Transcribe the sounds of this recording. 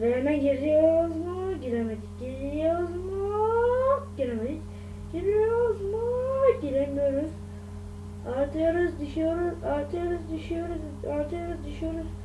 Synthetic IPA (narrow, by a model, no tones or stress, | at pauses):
vejɛmɛɟiɾijozmaɟiɾemed̪ic̚ɟiɾiijozmɯ | ɟ̥iɾemed̪ic | ɟ̥iɾijozmuɟiɾemijoɾuz̥ | aɾt̪ʰɯjoɾuzd̪yʃijoɾuzaɾt̪ʰɯjoɾuzd̪yʃijoɾuz | aɾt̪ʰɯjoɾuzd̪yʃyjo̞ɾuz̥